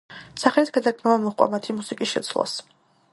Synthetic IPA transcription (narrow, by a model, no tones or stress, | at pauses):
saχɛlit̪sɡ̥ad̪akʰmɛvamɔχqʼwa̰mat̪ʰimusikʼisʃɛ̰t̪sʰlˠa̰s